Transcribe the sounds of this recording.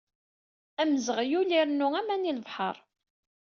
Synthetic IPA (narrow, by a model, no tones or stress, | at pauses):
æməzəʁjuliɾnuæmæniləvħə̰ɾˤ